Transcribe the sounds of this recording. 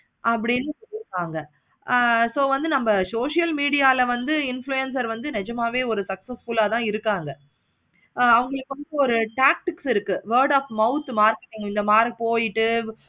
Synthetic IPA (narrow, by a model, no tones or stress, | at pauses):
ʔɐp̬ːɐɽɪnːɯsɔɾɪɾɯkːaːŋɡɐ | soːʋɐnd̪ɯnɐmbɐsoːʂɪjɐlmiːɽɪjaːlɐʋɐnd̪ɯɪnflujɛns̬ɐɾʋɐnd̪ɯnɛd͡ʒɐmaːʋeːɔɾɯsɐksɐsfʊlaːt̪ãːɪɾɯkːaːŋɡɐ | ɐʋɐŋɡɐɭɯkːɔnd̪ɐɔɾɯʈaːk̚ʈɪksɪɾɯkːɯʋɐːɖaːfmɐʊt̪ːmaːɾkɐʈːɪŋɪnd̪ɐmaːɾipoːjɪʈːɯ